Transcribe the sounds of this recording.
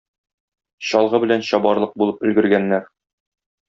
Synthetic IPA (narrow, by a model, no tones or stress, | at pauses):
ɕɒlˠʁɤbɘ̆lænɕɒbɑɾlˠɤq̚bulˠɤp̚ɵ̆lɡɘ̆ɾɡænːæɾ